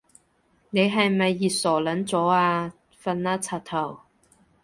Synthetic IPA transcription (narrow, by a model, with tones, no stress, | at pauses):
ne˨˧jɦɐ˨jmɐ˨jːiː˨sɔː˨˩lɐ˨˥nt͡sɔː˨˥aː˧ | fɐ˧nːaː˥t͡sʰaː˨˩t̪ʰɐ˨˩w